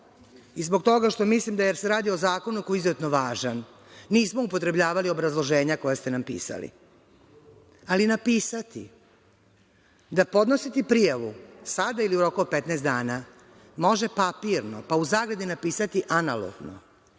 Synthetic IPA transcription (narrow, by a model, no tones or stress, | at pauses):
izbo̞k̚t̪o̞ɡaʃt̪o̞mislimd̪ajeɾse̞ɾaːd̪io̞zaːko̞nuko̞jiizoet̪noʋaːʒanː | iːsmo̞upo̞t̪ɾe̞bʎaːʋalio̞bɾazlˠo̞ʒe̞ːɲako̞jast̪e̞nampḭːsa̰lḭ | alinapiːsat̪ḭ | d̪apo̞d̪no̞sit̪ipɾijaʋusad̪ailiuɾo̞kuopet̪nɛːst̪d̪aːna | mo̞ʒe̞papiɾnopauzaːɡɾed̪inapiːsat̪iʔanalo̰ɡno̰